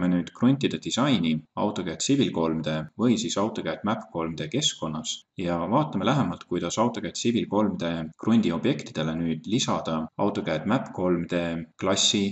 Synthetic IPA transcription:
menyːd̪̥krunʲt̪ːˑid̪̥e̞d̪̥isɑjniɑ̰wt̪ːˑo̞kæt̪sibilko̞lmd̪̥e̞vɤjsiːsɑwt̪ˑo̞kæːd̪mæpko̞lmid̪̥e̞ke̞sko̞nːɑsjɑvɑːt̪ːˑɑme̞læɦemɑlt̪̚kujd̪̥ɑsɑwt̪ːˑo̞kæt̪sibilko̞lmid̪̥e̞krunʲd̪̥io̞b̥je̞kt̪id̪̥e̞le̞nyːd̪̥lisɑd̪̥ɑɑwt̪ːˑo̞kæːd̪̥mæpko̞lmid̪̥e̞klɑsʲːi

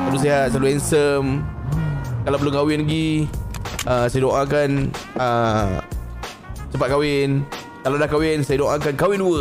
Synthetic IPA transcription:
salus̬eɦat̪̚saluɛnsəm | kalawpəlʊŋkawɪnɡi | əsajadoʔãkanə | t͡ʃəpat̪̚kawɪn | kalawdahkawɪnsajadoʔãkankawɪnduə

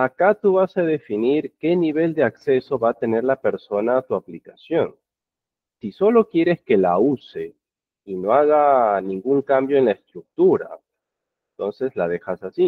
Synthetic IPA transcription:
akat̪uβasað̞e̞finiɾke̞niβe̞ld̪e̞akse̞so̞βaːt̪e̞ne̞ɾlape̞ɾso̞naːt̪uaplikasjo̞n | siso̞lo̞kje̞ɾe̞ske̞lause̞ | ino̞aɣanĩŋɡuŋkambjo̞enlaest̪ɾuk̚t̪uɾa̰ | ent̪o̞nse̞slaðe̞xasasi

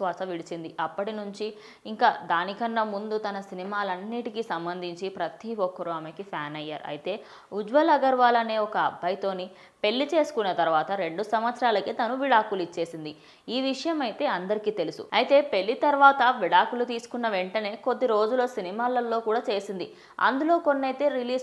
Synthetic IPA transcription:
ʋaːsɐʋiɽit͡ʃind̪iʔɐpːɐʈinuɲt͡ʃi | iŋkaːd̪aːnikɐnːɐmund̪ut̪ɐnɐsinimaːlɐnːiːʈikisɐmbɐnd̪ʱiɲt͡ʃipɾɐt̪iɔkːɐɾuɐmɐkipʰaːnɐjːa̰ːɾṵɐ̰jit̪e̞ː | ud͡ʒʋɐlɐɡɐɾʋaːlɐne̞ːɔkɐːbʱːɐjt̪o̞ːni | pe̞ɭːit͡ʃe̞ːsu̥kunːɐt̪ɐɾuʋaːt̪ɐɾe̞ɳɖusɐmʋɐt̪sɐɾaːlɐkit̪ɐnuʋiɽaːkulit͡ʃːe̞ːsind̪i | iːʋiʂɐjɐmɐjit̪e̞ːɐnd̪ɐɾikiːt̪e̞lusṵɐjit̪e̞ːpe̞ɭːit̪ɐɾʋaːt̪ɐʋiɽaːkulut̪iːsu̥kunːɐʋe̞ɳʈɐne̞ːko̞d̪ːiɾo̞ːd͡ʒulo̞ːsinimaːlɐlːo̞ːkuːɽaːt͡ʃe̞ːsind̪i | ɐ̰nd̪ulo̞ːko̞nːɐjt̪e̞ːɾiliː

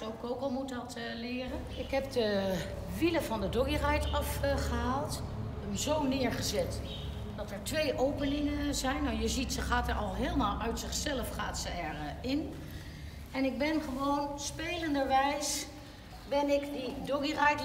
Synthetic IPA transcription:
owkowkɔlˠmutɑt | lɪːrənɪkɦɛp̚də | ʋiləvɑndədɔɡirɛjtɑfχəɦaːlˠt | əmzownɪːɹχəzɛt | dɑtɛɹtʋejʔowpənɪŋəzɛjnajəzitsəχaːtɛɹɑlˠɦɪːlˠmaːlˠʔœɥtsɪχsɛləfχaːtsəɛɹɪn | ɛnɪɡ̚bɛnχəʋownspejləndəɹʋɛjs | bɛnɪkdidoɡirɛjt

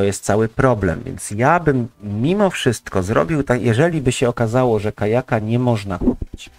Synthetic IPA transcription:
ɔjɛst̪sawɘpɾɔblɛ̰mvʲjɛ̰nt̪sjabɘmːʲimɔfʂɘst̪kɔzɾɔ̰bʲiwt̪akjɛʐɛlʲibɘɕɛɔkazawɔʐɛkajakaɲɛmɔʐnakupʲi̥t͡ɕ

